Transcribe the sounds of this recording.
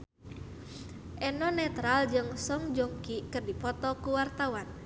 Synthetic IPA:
ʔɛnɔnɛt̪ɾald͡ʒɨŋsɔŋd͡ʒoŋkikɨrdipɔt̪ɔkuwart̪awan

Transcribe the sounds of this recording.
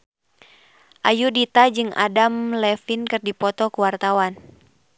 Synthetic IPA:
ʔajudit̪ad͡ʒɨŋa̰damlɛfinkɨrdipɔt̪ɔkuwart̪awan

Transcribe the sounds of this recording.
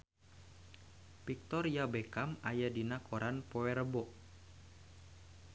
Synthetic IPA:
pik̚t̪ɔrijabekamajadinakoɾʔanpoɛrbɔʔ

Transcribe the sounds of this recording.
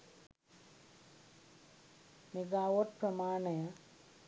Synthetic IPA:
meɡaːʋoʈ̚pɾɐmaːɳɐjɐ

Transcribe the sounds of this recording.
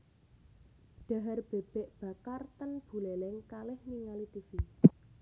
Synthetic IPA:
ɖ̥ä̤ɦarb̥eb̥ɛʔb̥a̤kart̪ənb̥ṳlɛlɛŋkalɪhniŋalit̪ifi

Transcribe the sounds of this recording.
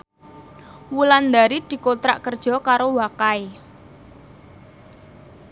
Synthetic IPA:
wuland̪aɾid̪̥i̤kot̪ɾa̰ʔkərd̥ʒ̥ɔ̤kaɾowakae

